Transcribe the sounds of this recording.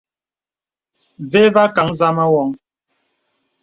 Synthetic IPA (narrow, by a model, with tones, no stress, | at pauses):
ve˦va˦ka˨˦ŋza˦ma˦wɔ˨˦ŋ